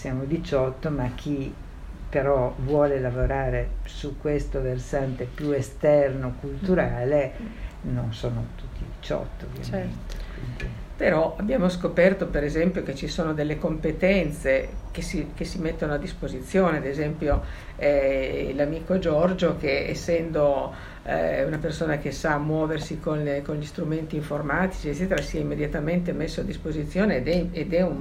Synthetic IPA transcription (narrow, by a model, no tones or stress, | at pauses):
sjaːmod̪it͡ʃɔt̪ːomak̟ʰːi | peɾɔvwɔːlelavoɾaːɾesukːwest̪oversant̪epjuest̪ɛrnokult̪uɾaːlenonsoːnot̪ut̪ʰːid̪it͡ʃɔ̰t̪ːoo̰vːja̰t͡ʃmɛent̪e̥ḭnd̪i | peɾɔʔabːjaːmoskopɛrt̪opeɾezɛmpjoket͡ʃisoːnod̪elːekompet̪ɛnt̪sekesikesimet̪ːonoad̪ːispozit̪sːjoːnead̪ezɛmpjo | ɛlamiːkod͡ʒɔrd͡ʒokeḛsːɛnd̪o̰ | unapersoːnakesamːwɔːversikonkonʎist̪ɾument̪iːɱformaːt̪i̥t͡ʃiet͡ʃːɛːt̪̬eɾasiɛimːed̪jat̪ament̪emesːoad̪ːispozit̪sːjoːned̪ɛed̪ɛun